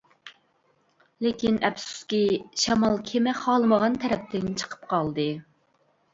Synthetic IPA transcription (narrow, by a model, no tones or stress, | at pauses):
lekʲinɛpsu̥skʲiʃɑmɑlˠkʲʰemɛχɑːlˠɨməʁɑnt̪ʰɛɾɛp̚t̪ʰɪnt͡ʃʰə̥qʰə̥p̚qʰɑlˠd̪ɨ